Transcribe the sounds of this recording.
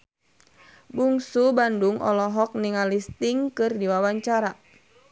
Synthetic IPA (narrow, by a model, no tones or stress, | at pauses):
buŋsubanduŋʔɔ̰lɔɦɔk̚niŋalist̪iŋkɨrdiwawaɲt͡ʃaɾa